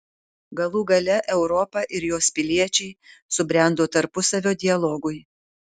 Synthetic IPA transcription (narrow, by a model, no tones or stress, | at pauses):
ɡɐlˠuːɡɐlʲɛʔɛʊɾɔpɐʔɪɾjoːspʲɪlʲiɛt͡ʃʲɛɪsʊbʲɾʲæˑnd̪oːt̪ɐɾpʊsɐʋʲoːd̪ʲɪɐlˠɔɡʊɪ